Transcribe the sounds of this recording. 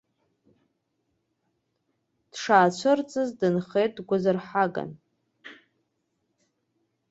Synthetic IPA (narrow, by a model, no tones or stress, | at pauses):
d̥ʂaːt͡ɕʷʰɨrt͡sʼɨzdɨnχejt̚ʼdɡʷazarħaɡa̰n